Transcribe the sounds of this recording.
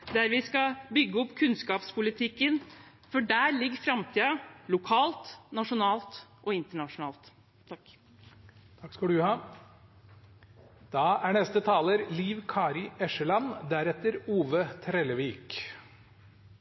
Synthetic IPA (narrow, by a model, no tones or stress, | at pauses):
d̪æɾʋɪskɑbʏɡːəɔpkʰʉnskɑːpspʰʊlɪt̪ʰɪkːən | fɔɖæːɾlɪɡːfɾɑmt̪ʰiːɑlʊkʰɑːlt̪nɑʂʊnɑːlt̪ʔɔɪnt̪əɳɑʂʊnɑ̰ːlt̪ | t̪ʰːɑk | t̪ʰɑkːskɑd̪ʉhɑː | d̪̥ɑːæɳɛst̪ət̪ʰɑːləɾliːʋkʰɑːɾɪʔɛʂəlɑnd̪æɾɛt̪əɾuːʋət̪ʰɾɛləʋiːk